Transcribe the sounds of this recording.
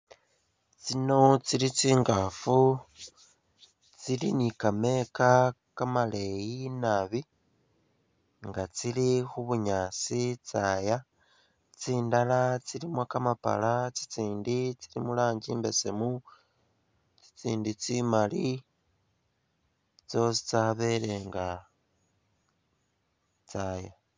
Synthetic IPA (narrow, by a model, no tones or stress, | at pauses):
t͡sino̞t͡silit͡siːŋɡafu | t͡silinikame̞ka | kamale̞jinaβi | ŋɡat͡silixuβuɲaːt͡sit͡saːja | t͡siːndalat͡silimwakamapa̰lat͡si̥t͡siːndit͡silimulaːɲɟiːmbe̞se̞mu | t͡si̥t͡siːndit͡simali | t͡so̞s̬i̥t͡saβe̞ɾe̞ŋɡa | t͡saja